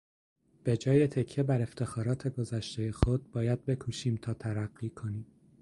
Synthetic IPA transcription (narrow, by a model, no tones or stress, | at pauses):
b̥e̞d͡ʒɒːje̞t̪ʰe̞cʰːe̞bæɾe̞ft̪ʰe̞xɒːɾɒːt̪ʰe̞ɡo̞zæʃt̪ʰe̞je̞xod̪̥̚bɒːjæd̪̥̚be̞kʰuːʃiːmt̪ʰɒːt̪ʰæɾæɢːiːkʰo̞niːm